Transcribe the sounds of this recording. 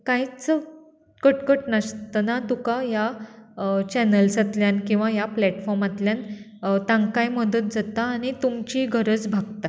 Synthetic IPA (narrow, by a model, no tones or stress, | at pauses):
kajt͡sə | kəʈkəʈnast̪ənat̪ukaja | t͡ɕɛnəlsət̪ljankĩw̃ʋajaplɛʈfɔɾmat̪ljan | t̪ãŋkajməd̪ət̪̚d͡zat̪aːñit̪umt͡ɕiɡʱəɾət͡sbʱaɡ̚t̪a